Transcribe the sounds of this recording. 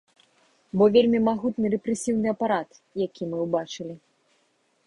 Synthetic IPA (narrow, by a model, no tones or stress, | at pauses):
bɔvʲelʲmʲimaɣut̪nɨɾɛpɾɛsʲiwnɨɐpaɾat̪jakʲʰimɨwbat͡ʂɨlʲi